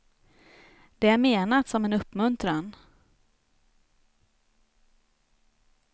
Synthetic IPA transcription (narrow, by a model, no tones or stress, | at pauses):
d̪̥ɛæɾmeːnat̪sɔmɛnɵpːmɵnt̪ɾan